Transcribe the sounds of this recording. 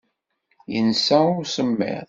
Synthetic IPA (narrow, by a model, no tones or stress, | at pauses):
jə̰nsæʊɾsəmːɛ̰ʁ